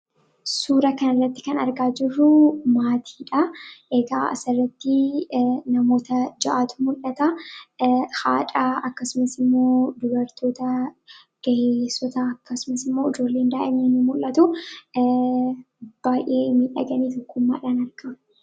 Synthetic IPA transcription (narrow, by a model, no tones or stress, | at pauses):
suːɾɐkɐnɐrːɐt̪ːɪ̥kɐnɐ̰ɾɡaːd͡ʒɪrːʊmaːt̪ʰi̥ːᶑɐʔeɡaːɐ̰sɐrːɐt̪ːɪ | nɐmo̞ːt̪ɐd͡ʒɐʔaːt̪ʊmʊlːɐt̪ɐ | ha̰ːᶑʼaːɐkːɐsʊmɐsɪmːo̞ːd̪ʊbɐɾt̪o̞ːt̪ɐ | ɡ̥ɐʔesɔt̪ɐɐkːɐsʊmɐsɪmːo̞ːɪd͡ʒo̞ːlːeːnd̪aːʔɛmiːnʊmʊlːɐt̪ʊ | b̥aːjʔe̞ːmiːᶑɐɡɐniːt̪ɔkːʊmːaːᶑaːnɐɾɡ̥ɐ